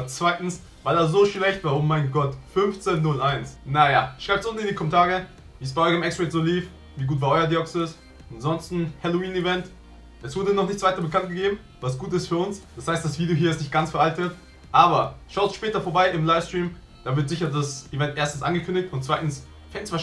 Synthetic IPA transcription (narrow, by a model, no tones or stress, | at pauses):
t͡sv̥aɪtn̩s | vaɪldaːzoːʃlɛçtvaːʔoːmaɪnɡɔtfʏnft͡senːʊlʔaɪnsnajaʃʁ̥aɪptt͡sʔʊntn̩ɪndikʰɔmɛntʰaːʁə | viːsb̥aɪʔɔʏçɪmɛkstʁetz̥oːliːf | viːɡuːtv̥aːʔɔʏɐdiɔksɪs | anzɔnstn̩hɛloiːnivɛnt | ʔɛsv̥ʊɐdəənɔχnɪçtt͡svaɪtɐbəkʰant̚ɡ̥əɡeːbm̩ | vasɡ̥uːtɪstfyːɐʊnsd̥ashaɪstd̥asv̥iːdjoɦiːɐɪstnɪçt̚ɡ̥ant͡sfɛɐʔaltət | ʔaːbɐʃaʊnʃpɛːtɐfoːɐbaɪɪmlaɪfstʁ̥iːm | d̥aːvɪɐtz̥ɪçɐdasivɛntʔeːɐstn̩sʔa̰nɡəkʰʏndɪçtʊnt̚t͡sv̥aɪtn̩s | fɛn̩sv̥aː